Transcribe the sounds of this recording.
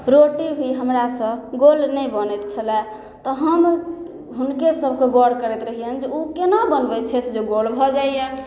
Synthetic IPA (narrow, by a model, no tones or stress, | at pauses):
ɾoʈibʱiɦəmɾasə̃bɡolnɛjbənɛt̪t͡ʃʰəlɛ | t̪ɔɦəm | ɦunkesəbʱkeɡɔɽkəɾɛt̪ɾəɦiənd͡ʒeukenabənbɛt͡ʃʰɛt̪ʰd͡ʒeɡolbʱɔd͡ʒaijɛ